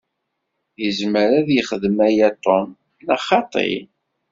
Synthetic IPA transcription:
jəzməɾæðjəχəðəmæjæt̪ˤːon | næχɑt̪ˤḛ

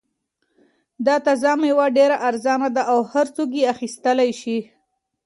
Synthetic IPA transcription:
d̪ɑt̪azɑmewaɖeɾaʔaɾzɑnad̪aʔawhaɾt͡sok̬eaxist̪əlajʃi

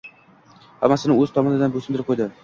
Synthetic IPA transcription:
ha̰mːasɪnɪŋɵzt̪ʰɒmɒnɪd̪anbɵsɪmd̪ɪɾɪp̚qʰojd̪ɪ

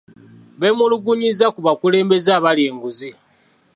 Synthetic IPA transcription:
βe̞muluɡuɲizakuβakule̞ːmbe̞zaːβalje̞ːŋɡuzi

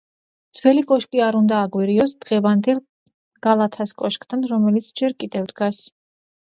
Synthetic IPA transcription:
d̪z̥vɛlikʼɔʃkʼiaɾund̪aːɡwiɾiɔsd̪̥ʁɛvand̪ɛlˠ | ɡ̥alˠat̪ʰaskʼɔʃkʼt̪ʰanɾɔmɛlit̪sʰd͡ʒɛɾkʼid̪ɛvd̪ɡas

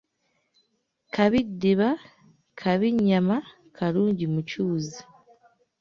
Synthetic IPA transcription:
kʰaβidiβa | kʰaβiɲama | kʰaɾuːɲɟimucuːzi

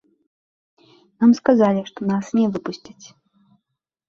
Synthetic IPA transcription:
namskazalʲiʂt̪ɔnasnʲɛvɨpusʲt͡sʲit͡sʲ

